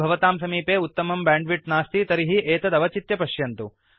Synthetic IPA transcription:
bʱɐʋɐt̪aːmsɐmiːpeːut̪ːɐmɐmbaːɳɖʋiʈnaːst̪it̪ɐɾiɦiʔeːt̪ɐd̪ɐʋɐt͡ʃit̪jɐpɐʃjɐnt̪u

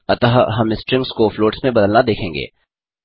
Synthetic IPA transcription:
ɐt̪aːɦɦɐmɪsʈɾɪ̃ŋɡskofloːʈsmẽbɐd̪əlnad̪eːkʰẽːŋɡḛː

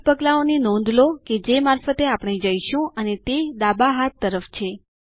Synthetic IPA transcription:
pəɡlaonenɔ̃nd̪ʱloked͡ʒemaɾfət̪eapɽ̃ed͡ʒəiʃũənet̪ed̪abaɦat̪ːəɾəft͡ʃʰe

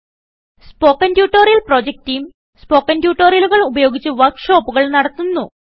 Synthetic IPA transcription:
spo̞ːkːɐndjuːʈːoːrijɐlproːd͡ʑek̚tiːm | spoːkːɐndjuːʈːoːɾjɐluɣɐɭubɐjo̞ːɡit͡ɕːɨʋɐrkʂo̞ːpːuɣɐɭnɐɽɐt̪ːunːu

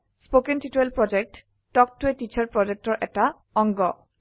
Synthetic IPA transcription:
spokentituelpɹɔd͡ʒek̚tː | ɔk̚tuetit͡ʃʰaɹpɹɔd͡ʒek̚tɔɹʔɛta | ɔŋɡɔ

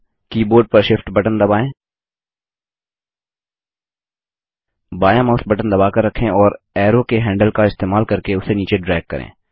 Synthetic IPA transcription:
kiːboːɾɖ̚pɐɾʃɪfʈbɐʈənd̪ɐbaːẽː | baːjãmɐːsbɐʈənd̪ɐbaːkɐɾːɐkʰːẽɔːɾ | ɛːɾokeɦɛ̃ːɳɖəlkaɪst̪eːmaːlkɐɾkeʊseniːt͡ʃeɖɾɛːɡ̚kɐ̰ɾʔḛ̃ː

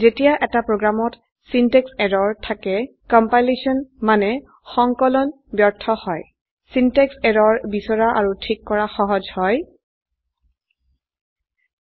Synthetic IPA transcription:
zetijaʔɛtapɹoɡɹamɔt | sinteksɛɹɔɹtʰakɛ | kɔmpajlesiɔnmanɛ | xɔŋkɔlɔn | bjɔɹtʰɔhɔj | sinteksɛɹɔɹbisɔɹaʔaɹutʰikːɔɹaxɔɦɔzhɔj

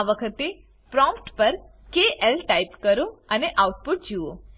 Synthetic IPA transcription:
aʋəkʰət̪e | pɾɔ̃mpʈpəɾ | keʔelʈaipkəɾoəneʔauʈ̚puʈ̚d͡ʒuo

